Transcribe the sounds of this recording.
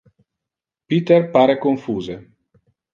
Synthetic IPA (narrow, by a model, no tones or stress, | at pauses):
pit̪erpaːɾekoɱfuːze